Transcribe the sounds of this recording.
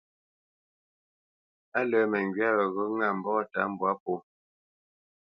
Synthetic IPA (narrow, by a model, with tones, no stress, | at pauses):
a˦lə˨˦mɛ˨ŋɡi˦a˦wə˨ɣɔ˦ŋa˦˨m̩˨bɔ˦˨ta˦m̩˦bwa˦po˦